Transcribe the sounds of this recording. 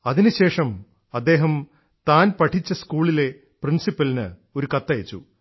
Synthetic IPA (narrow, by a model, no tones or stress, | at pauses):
ɐðinɨɕe̞ːʂɐm | ɐd̪ːe̞ːɦɐm | t̪aːnpɐʈʰit͡ɕːɐskuːɭile̞ | prinsipːɐlinɨ̰ | o̞ɾukɐt̪ːɐjɐt͡ɕːṵ